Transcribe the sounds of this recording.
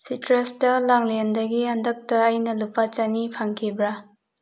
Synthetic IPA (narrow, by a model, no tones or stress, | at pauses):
sitɾestɐlaŋlendɐɡiandɐk̚tɐːjnɐlupat͡ʃanipʰaŋkʰibɾa